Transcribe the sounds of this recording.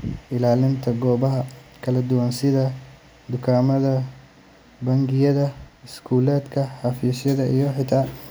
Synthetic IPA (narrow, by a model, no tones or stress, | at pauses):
ʔɪlaːlɪnt̪ʰɐɡɔːβɐɦɐkʰɐlɐd̪ʊwansɪðɐ | d̪ʊkʰaːmɐðɐ | bɐŋɡɪjɐðɐɪskʰuːlɛːd̪kʰɐħɑfiːsjɐðɐʔijɔħɪt̪ʰaː